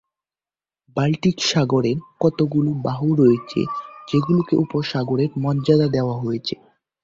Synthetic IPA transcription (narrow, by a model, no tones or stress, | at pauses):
balʈikʃaɡoɾeɾkɔt̪oɡulubaɦuɾoet͡ɕʰḛd͡ʑeɡulokeʔupoɾʃaɡoɾeɾmɔdd͡ʑad̪ad̪eoaɦojet͡ɕʰe